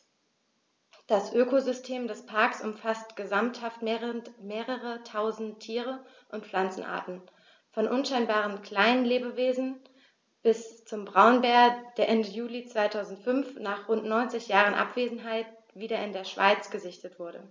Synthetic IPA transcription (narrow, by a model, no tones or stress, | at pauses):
d̥asʔøːkozʏstʰeːmdɛspʰaɐksʔʊmfastɡ̥əzamthaftmeʁmeːʁəʁətʰaʊzn̩ttʰːiːʁə | ʔʊntflant͡sn̩ʔa̰ɐtn̩ | fɔnʔʊnʃaɪnbaːʁ̞ənkl̥aɪnənleːbəveːzn̩ | b̥ɪst͡sʊmbʁaʊnbɛːɐd̥eːɐʔɛndəjuːlit͡sv̥aɪtʰaʊzn̩tfʏnfnaːχʁʊntnɔʏnt͡sɪçjaːʁənʔa̰pv̥eːzn̩ɦaɪt̚ | v̥iːɾɐɪndeːɐʃv̥a̰ɪt͡sɡ̥əzɪçtətv̥ʊɐɾə̰